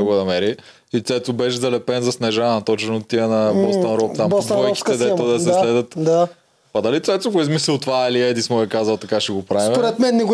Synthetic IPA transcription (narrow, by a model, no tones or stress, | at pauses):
ɛɡd̪ɐmɛɾi | it̪sɛt̪obɛʃzɐlɛpɛnzɐsnɛʒaɐt̪ɔt͡ʃɛnot̪ːiənɐbɔst̪ɐnɾɔpt̪ambsb̪ɔɛki̥t̪ɛd̪ɛt̪od̪ɐsɛslɛd̪ət̪d̪a | pɐd̪ɐlit̪sɛt̪oɡoizmislɛlˠt̪valiɛd̪ismoɛkazɐlˠt̪ɐkaʃɛɡopɾasvimoɾɛt̪mɛnːɛɡ